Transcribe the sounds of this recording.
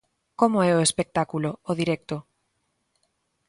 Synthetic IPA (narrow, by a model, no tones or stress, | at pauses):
komoɛoespek̚t̪akuloːðiɾɛk̚t̪o